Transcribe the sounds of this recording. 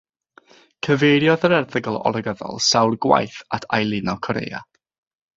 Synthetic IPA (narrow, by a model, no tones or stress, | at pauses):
kʰəvejɾjɔðəɾɛrðəɡəlˠɔ̰lˠəɡəðɔ̰lˠsawrɡwa̰jθatʰajlˠɪnɔkʰɔɾḛːa̰